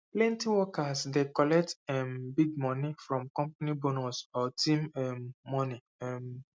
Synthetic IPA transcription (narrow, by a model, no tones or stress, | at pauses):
plɛ̃ntiwɔkasdekɔlɛk̚tɛmbiɡmɔnifɾɔ̃mkɔ̃mpanibonɔsɔtĩmɛmːɔni | ɛm